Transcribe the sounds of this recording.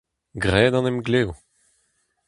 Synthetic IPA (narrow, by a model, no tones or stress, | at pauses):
ɡʁɛːd̪ɑ̃nɛmɡleu